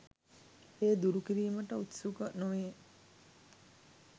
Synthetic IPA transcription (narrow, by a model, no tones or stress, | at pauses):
eːd̪uɾukiɾiːməʈəut̪sukənoʋe